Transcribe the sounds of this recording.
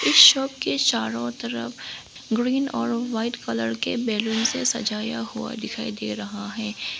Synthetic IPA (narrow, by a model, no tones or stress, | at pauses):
ɪsʃɔːp̚ket͡ʃaːɾõt̪ɐɾəf | ɡɾiːnɔːɾʋaːɪʈkɐləɾkebɛːlunsesɐ̰d͡ʒaːjahua̰d̪ɪkʰaːid̪eːɾɐɦaɦɛː